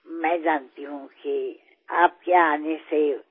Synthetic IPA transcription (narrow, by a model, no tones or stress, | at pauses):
mɛ̃ːd͡ʒaːnt̪iɦũki | aːp̚kjaːnese